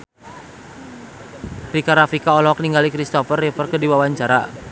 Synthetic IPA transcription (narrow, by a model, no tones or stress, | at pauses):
ɾikaɾafikaɔlɔk̚niŋɡalikɾist̪ɔfərɛpərkədiwawaɲt͡ʃaɾa̰